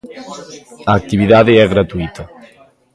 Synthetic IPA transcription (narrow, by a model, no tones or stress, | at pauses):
aːk̚t̪iβiðaðeɛɣɾat̪uit̪ʰɐ